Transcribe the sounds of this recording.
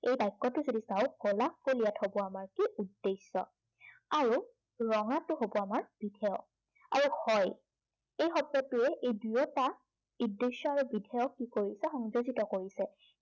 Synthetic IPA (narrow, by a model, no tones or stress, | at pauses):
ejbajkːɔtʊzodisawkɔlakkolijatʰhobɔamaɹkiudːesɔ̰ | aɹu | ɹɔŋatʊɦobɔamaɹb̥idʱɛjɔ̰k̚ | a̰ɹuhɔj | ejxɔtːɔtʊɛʔejdujɔta | udːesɔaɹubidʱɛjɔkːikoɹisɛxɔŋzozitɔkoɹisɛ